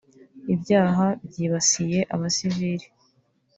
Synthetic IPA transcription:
ibɟaːɦabɟiːβasije̞ʔaβasiviɾi

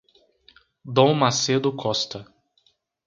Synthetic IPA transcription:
d̪õmased̪ʊkʰɔst̪ɐ

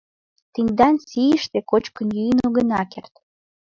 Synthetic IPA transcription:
t̪enʲd̪ɑnsijəʃt̪ekot͡ɕkə̆njyjənoɣə̆nɑkert̪

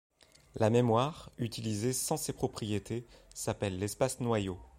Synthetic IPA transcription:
lamemwaʁyt̪ʰilizesɑ̃sepχɔpχijet̪ʰesapɛlːɛspasnwajo

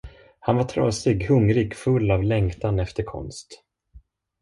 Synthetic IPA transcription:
hanvaʈʰɾɑːsɪɡhɵŋɾɪɡfɵlːavlɛŋkt̪anɛft̪əɾkʰɔ̰nst̪

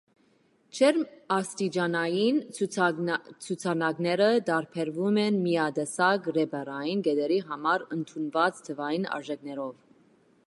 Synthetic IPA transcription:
t͡ʃʰɛɾɑst̪id͡ʒɑnɑjin | t͡sʰut͡sʰɑnɑɡnɛɾəd̪ɑɾpʰɛɾvumɛnmijɑd̪ɛsɑɡrɛbɛrɑjinɡɛd̪ɛɾiɦɑmɑɾənt̪ʰunvɑt͡st̪ʰəvɑjinɑ̰ɾʒɛknɛɾɔv

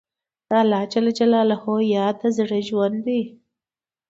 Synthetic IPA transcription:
d̪̥ɑlɑt͡ʃalad͡ʒalɑːlahojɑːd̪azɽəʒwand̪i

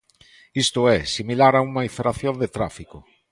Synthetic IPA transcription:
ist̪ʊɛsimilaɾaumaifeɾaθjond̪et̪ɾafiko

